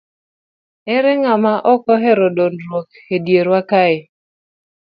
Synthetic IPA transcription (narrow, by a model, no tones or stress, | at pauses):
ɛɾɛŋamaʔɔkɔɦɛɾodondɾwokhedjeɾwakaɪ